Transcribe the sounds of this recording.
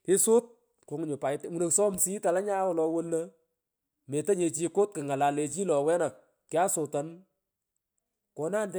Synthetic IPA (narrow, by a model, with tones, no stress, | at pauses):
ɪ˦sʊ˦t̚ | ko˨ŋ˨ɲʊ˨pa˨ɪ˦tmu˨no˨ksɔ˦msi˦ta˨la˦ɲa˦wɔ˨lɔ˧wo˦lːə˦ | me˨ta˦ɲe˨t͡ʃi˦kʊ˦t̚kɪ˨ŋa˨la˨le˨t͡ʃi˦lɔ˨wɛ˦na˨k̚ | kːja˦sʊ˨ta˨n | ko˨naː˦ndɛ˦